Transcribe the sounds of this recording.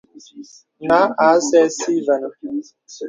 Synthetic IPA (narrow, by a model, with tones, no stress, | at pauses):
na˨˦a˨˦sɛ˦si˦va˨n˨